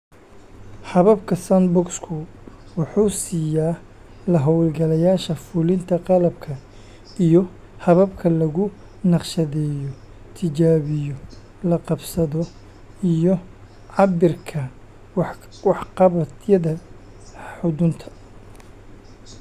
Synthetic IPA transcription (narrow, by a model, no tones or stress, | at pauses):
hɐβɐbkʰɐsɐnbʊkskʰʊwʊħuːsiːjaː | lɐɦɔwlɡɐlɐjaːʃɐfʊlɪnt̪ʰɐqɑlɐb̚kʰɐ | ijɔ | hɐβɐbkʰɐlɐɣʊ | nɑqʃɐðɛːjɔ | t̪ʰɪt͡ʃaːβɪjɔ | lɐqɑbsɐðɔ | ijɔ | ʕɑbɪrkʰɐ | wɑħqɑβɐt̪jɐðɐ | ħʊðʊnt̪ʰɐ̥